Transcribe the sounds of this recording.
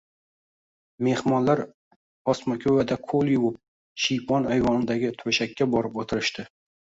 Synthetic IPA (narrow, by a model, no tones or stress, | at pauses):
me̞hmɒnlaɾ | ɒsmakʲʰɵvad̪akʰolˠjʊwʊp̚ | ʃɪjpʰɒnajvɒnɪd̪aɡʲɪt̪ʰɵʃakʲʰːabɒɾɪpot̪ʰɪɾɪʃt̪ɪ